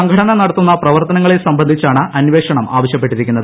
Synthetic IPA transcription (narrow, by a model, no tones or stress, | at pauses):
ɐŋɡʱɐɽɐnɐnɐɽɐt̪ːunːɐprɐʋɐrt̪ɐnɐŋːɐɭesɐmbɐnd̪ʱit͡ɕːaːɳɨʔɐnʋeʂɐɳɐmʔa̰ːʋɐɕjɐp̬ːe̞ʈːiɾikʲːunːɐðɨ